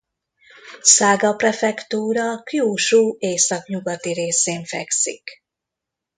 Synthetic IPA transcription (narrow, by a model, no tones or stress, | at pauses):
saːɡɒprɛfɛkt̪uːɾɒkjuːʃuːeːsɒkɲuɡɒt̪iɾeːseːɱfɛksḭk